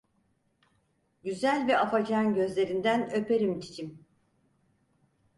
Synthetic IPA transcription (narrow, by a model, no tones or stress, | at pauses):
ɟyzælʲvɛafad͡ʒanɟø̞zlʲe̞ɾind̪ænø̞peɾimt̪ʰi̥t͡ʃʰim